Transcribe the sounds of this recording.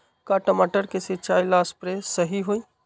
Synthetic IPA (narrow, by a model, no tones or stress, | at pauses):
kaʈəmaʈəɾkesɪt͡ʃaːilaːspɾesəɦiɦoːi